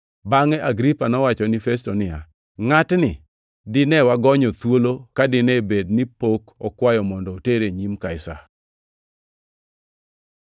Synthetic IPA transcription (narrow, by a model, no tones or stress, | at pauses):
baŋɛʔaɡɾipanɔwat͡ʃɔnɪfestɔnɪja | ŋatnɪ | dɪnɛwaɡɔɲɔt̪wolokadɪnɛbednɪpokɔkwajɔmɔndɔteɾeɲimkaɪsa̰